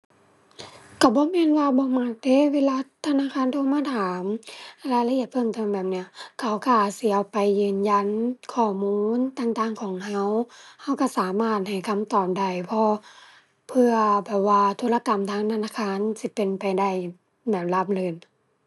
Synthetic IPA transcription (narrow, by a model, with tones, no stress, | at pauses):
ka˧˩bɔː˧˦mɛː˧˥˨nwaː˧bɔː˧˦ma˧˥t̚de˧˥˨weː˧˥laː˧˥˨t̪ʰa˧naː˧˥˨kʰaː˧˥˨nt̪ʰoː˧˨maː˧˥˨t̪ʰaː˨˦m˧laː˧˩la˧ʔi˧˨ət̪̚pʰɤ˧ŋt̪ʰɔː˧˩˨nbɛː˨˩p̚ni˧˩ɐkʰa˧˩wka˧˩si˧˩a˧wpa˨jːɯː˧nja˧˨nkʰɔː˧˩muː˧nt̪aː˧˨ŋt̪aː˧˨ŋkʰɔː˨˦ŋɦa˧˥˨wha˧˩wka˧˩saː˨˦maː˧˩t̪̚ha˨˩jkʰa˧˥mt̪ɔː˨˩p̚da˧˩jpʰɔ˧ | pʰɯ˧ɐbɛː˨˩p̚waː˧t̪ʰoː˧˥la˧ka˨mt̪ʰaː˧˨ŋt̪ʰa˧naː˧˨kʰaː˧˥˨nsi˧˦pe˨npa˨jda˧˩j | bɛː˨˩p̚la˧p̚lɯː˧˩n